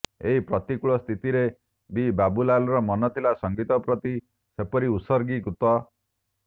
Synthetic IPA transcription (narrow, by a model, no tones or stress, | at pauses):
eɦipɾɔt̪ikuɭɔst̪ʰit̪iɾe | bibabulalɔɾɔmɔnɔt̪ʰilasɔŋɡit̪ɔpɾɔt̪i | sepɔɾiusɔɾɡikut̪ɔ